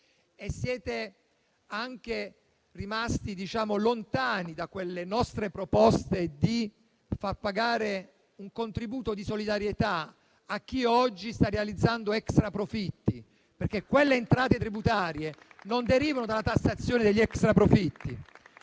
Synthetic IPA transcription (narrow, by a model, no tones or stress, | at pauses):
esːjɛːt̪e | aŋk̟e | rimast̪id̪it͡ʃaːmolont̪aːnid̪akwelːenɔst̪ɾepɾopɔst̪ed̪i | farpaɡaːɾe | uŋkont̪ɾibuːt̪od̪isolid̪aɾjet̪a | ak̟ːiɔd͡ʒːist̪arːealid̪zːand̪oɛkst̪ɾapɾofit̪ːi | perk̟ːekːwelːeːnt̪ɾaːt̪et̪ɾibut̪aːɾjenond̪eɾiːvanod̪alat̪asːat̪sːjoːned̪eʎːiɛkst̪ɾapɾofit̪ːi